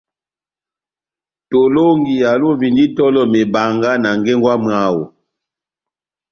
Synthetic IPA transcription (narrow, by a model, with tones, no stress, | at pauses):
to˨lo˦ŋɡi˨ja˨lo˦vi˨ndi˦tɔ˦lɔ˦me˨ba˨ŋɡa˦na˨ŋɡɛ˦ŋɡwa˦m˦a˦wo˨